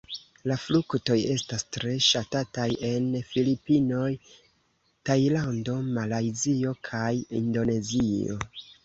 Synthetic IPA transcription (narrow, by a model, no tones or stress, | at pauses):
laflukto̞je̞stastɾe̞ʃatataje̞nfilipino̞j | tajlando̞malajzio̞kʰajḭndo̞ne̞zio̞̰